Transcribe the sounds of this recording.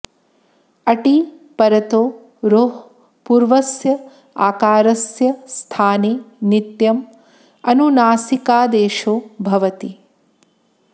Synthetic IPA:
ɐʈi | pɐɾɐt̪oː | ɾoːɦ | puːɾʋɐsjɐ | aːkaːɾɐsjɐst̪ʰaːneːnit̪jɐm | ɐnunaːsikaːd̪eːʃoːbʱɐʋɐt̪i

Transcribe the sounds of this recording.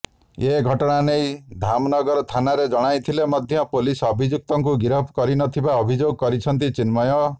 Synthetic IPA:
eɡʱɔʈɔɽ̃anejd̪ʱamnɔɡɔɾɔt̪ʰanaɾed͡ʒɔɽ̃ajt̪ʰilemɔd̪ʱjɔpolisɔbʱid͡ʒuk̚t̪ɔŋkuɡiɾɔpʰkɔɾinɔt̪ʰibaɔbʱid͡ʒoɡɔkɔɾit͡ʃʰɔnt̪̬it͡ʃinmɔjɔ

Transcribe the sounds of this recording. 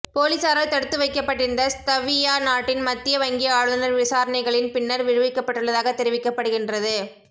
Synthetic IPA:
poːlisaːɾɐɭt̪ɐɽɯt̪ːɯʋɐɪkːɐpːɐʈːɪɾɯnd̪ɐst̪ɐʋijaːnaːʈːɪnmɐt̪ːɪjɐʋɐŋɡɪjɐaːɻɯðɐnɐɾʋɪsaːɾɐnɐɪɣɐɭɪnpɪnːɐɾʋɪɻɯʋɪkːɐpːɐʈːɯɭːɐðaːɣɐt̪ːɛɾɪʋɪkːɐpːɐɽɯɣɪndrɐðɯ

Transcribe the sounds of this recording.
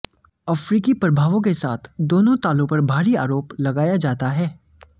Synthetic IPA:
ɐfɾiːkipɾɐbʱaːʋõk̬esa̰ːt̪ʰd̪oːnõt̪aːlõpɐɾbʱaːɾia̰ːɾoːplɐɡaːjad͡ʒaːt̪aɦɛː

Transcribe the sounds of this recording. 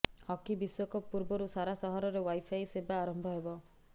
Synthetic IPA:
hɔkibiswɔkɔpuɾbɔɾusaɾasɔɦɔɾɔɾewajpʰajsebaːɾɔmbʱɔɦebɔ

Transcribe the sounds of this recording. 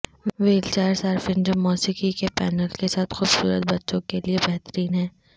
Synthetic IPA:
ʋeːlt͡ʃaːɾsaːɾfɪ̃nd͡ʒəmːɔːsiːkikepɛːnəlkesaːt̪xʊbsṵːɾə̰t̪̚bɐtːʃõkeliebɛɦt̪əɾiːnɦɛ̃ː

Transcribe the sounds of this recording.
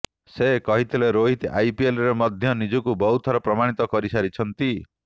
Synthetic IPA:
sekɔɦit̪ʰileɾoɦit̪ajpielɾemɔd̪ʱjɔnid͡ʒɔkubɔɦut̪ʰɔɾɔpɾɔmaɽ̃it̪ɔkɔɾisaɾit͡ʃʰɔnt̪i

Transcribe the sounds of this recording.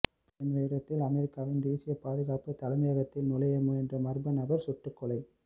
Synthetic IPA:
ɪndrɐɪɽɐt̪ːɪlɐmɛɾɪkːaːʋɪnd̪iːsɪjɐpaːðɯɣaːpɯt̪ɐlɐɪmɐjaːɣɐt̪ːɪlnʊlɐjɐmɯɛndrɐmɐɾbɐnɐbɐɾsʊʈːɯkːɔlɐɪ

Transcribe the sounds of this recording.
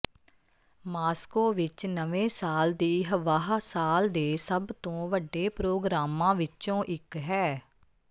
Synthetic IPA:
maːskoːʋɪt͡ʃnəʋẽːsaːld̪iːɦəʋaːɦsaːld̪eːsəbt̪õːʋəɖːeːpɾoːɡɾaːmãːʋɪt͡ʃõːʔɪkɦɛː

